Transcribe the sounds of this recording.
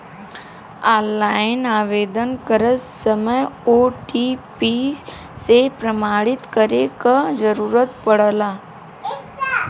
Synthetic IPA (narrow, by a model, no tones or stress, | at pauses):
aːlːaːɪnaːʋeːd̪ənkəɾəsəməjoːʈipi | sepɾəmaːɽɪt̪kəɾekad͡ʒəɾuːɾət̪pəɽəlaː